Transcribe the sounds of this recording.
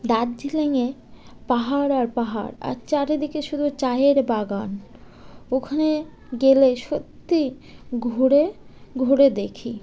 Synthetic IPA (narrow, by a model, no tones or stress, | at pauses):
d̪add͡ʑileŋepaɦaɾaɾpaɦa̰ɾa̰ɾt͡ɕaɾed̪ikeʃud̪ʱut͡ɕajeɾbaɡan | okʰane | ɡeleʃot̪ːi | ɡʱuɾeɡʱoɾed̪ekʰi